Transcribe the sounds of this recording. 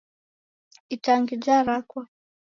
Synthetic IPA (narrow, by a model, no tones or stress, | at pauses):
itaŋɡid͡ʒaɾakwa